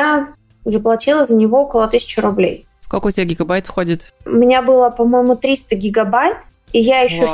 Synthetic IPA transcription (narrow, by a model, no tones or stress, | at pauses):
a | zəplˠɐtʲilˠəzənʲɪvo̞okəlˠət̪ɨsʲɪ̥t͡ɕɪɾʊblʲḛj | skolʲkəʊtʲɪbʲaɡʲɪɡɐbajt̪fxodʲɪt̪ʊ̰mʲɪnʲabɨlˠəpɐmo̞jɪmʊt̪ɾʲist̪əɡʲɪɡɐbajt̪ | ijajɪɕːo